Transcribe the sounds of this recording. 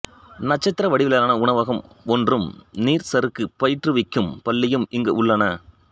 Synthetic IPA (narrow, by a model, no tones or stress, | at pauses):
nɐt͡ʃːɐt̪ːɪɾɐʋɐɽɪʋɪlɐlaːnɐʊɳɐʋɐɣɐmɔndrɯmniːɾsɐɾɯkːɯpɐjɪʈrɯʋɪkːɯmpɐlːɪjɯmɪŋɡɐ̰ʔʊɭːɐnɐ